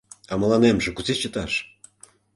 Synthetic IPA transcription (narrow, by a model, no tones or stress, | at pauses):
ɑməlɑnemʒĕkuzet͡ɕə̆t̪ɑʃ